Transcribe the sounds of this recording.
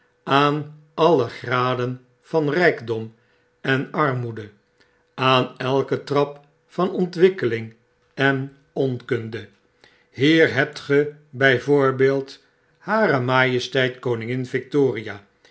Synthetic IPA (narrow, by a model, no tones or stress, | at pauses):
aːn | ʔɑləχraːdən | v̥ɑnrɛjɡdɔm | ɛnɑɹmudə | aːnɛlˠkətrɑp | fɑnɔntʋɪkəlɪŋ | ɛn | ɔnkɵndə | hiːɹɦɛp̚tχəbɛjvoːɹbeːlˠt | haːɾəmaːjəstɛjtkownɪŋɪnvɪk̚toːriaː